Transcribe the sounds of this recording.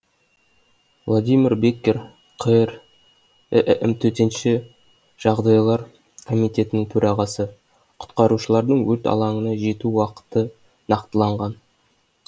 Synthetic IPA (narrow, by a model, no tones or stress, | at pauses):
vlˠod̪ijmʲiɾbekʲːeɾ | qʰəɾ | ʔʔɪmt̪ʰɵt̪e̞nʃɪ | ʒ̥ɑʁd̪ɑjlˠɑɾ | kʰo̞mijt̪e̞t̪ɪnɪŋt̪ʰɵɾʔɑʁɑsə | qʰʊ̥t̪qɑɾuʃəlˠɑɾd̪əɴwɵt̪ɑ̰lˠɑɴənɑʒe̞t̪uwɑqə̥t̪ə | nɑqt̪əlˠɑɴʁɑn